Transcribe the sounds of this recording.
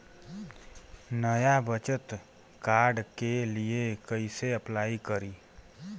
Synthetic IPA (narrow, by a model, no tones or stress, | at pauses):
nəjabət͡ʃət̪ | kaːɾɖkeliekəiseəplaːikəɾiː